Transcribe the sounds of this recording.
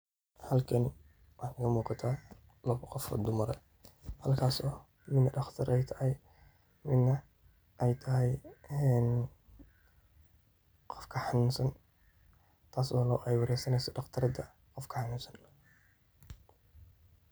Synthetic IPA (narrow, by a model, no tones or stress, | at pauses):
hɐlkʰɐn | wɑħɪɣɐmuːqɑt̪ʰaː | lɐβqɔfʰɔ̰d̪ʊmɐɾɐ̰ | hɐlkʰaːsɔː | mɪd̪nɐɖɑχt̪ʰɐɾʔɛjt̪ʰɐ̥hɪj | mɪd̪nɐ | ʔɛjt̪ʰɐɦɛjɛn | qɔfkʰɐħɑnuːnsɐn | t̪ʰaːswɔlɔʔɛjwɑɾɛjsɐnɛjsɔɖɑχt̪ʰɐɾɐd̪ɐ | qɔfkʰɐħɑnuːnsɐn